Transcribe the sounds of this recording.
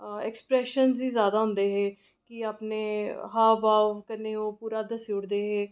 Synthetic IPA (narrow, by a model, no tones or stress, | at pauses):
ɛkspɾɛːʃənziːzjaːd̪aːɦʊ̃nd̪eːɦeː | kɪaːpneːɦaːbaːʋkəneːoːpuːɾaːd̪əsiʊɽd̪eːɦeː